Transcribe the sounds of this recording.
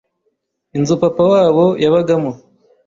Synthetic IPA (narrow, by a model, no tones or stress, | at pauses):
inzupapawaːβojaβaɡamu